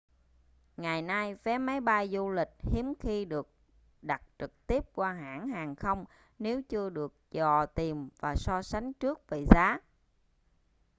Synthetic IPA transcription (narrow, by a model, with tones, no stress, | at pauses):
ŋa˨˩jnaː˧jfɛ˨˦ma˨˦jɓa˧jzu˧lï˨˩k̟̚hi˨˦ənxi˧ɗɨ˨˩ək̚ | ɗa˨˩t̚t͡ɕɨ˨˩k̚t̪i˦˥əp̚kwaː˧ɦa̰ː˧˥nhaː˨˩ŋxə˧wŋ͡m | ne˨˦wt͡ɕɨ˧əɗɨ˨˩ək̚t͡ɕɔ˨˩t̪i˨˩mvaː˨˩sɔ˧sa˨˦jŋ̟t͡ɕɨ˦˥ək̚ve˨˩zaː˨˦